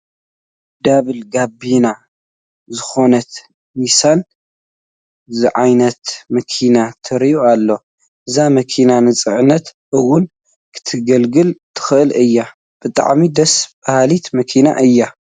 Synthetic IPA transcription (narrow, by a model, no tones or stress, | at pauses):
d̪aβɨlɡabina | zɨxo̞nɐt̪ | misan | zɨʕajnɐt̪mɐkʰinat̪ʰɨɾioalːo̞ | ʔɨzamɐkʰinanɨt͡sʼɨʕɨnɐt̪ | ʔɨwːʊn | kʰɨ̥t̪ʰɨɡɐlɡɨlt̪ʰɨ̥xɨʔɨlɨjːa | b̥ɨt̪ʼa̰ʕmid̪ɐsb̥ahalit̪mɐkʰina̰ʔɨjːa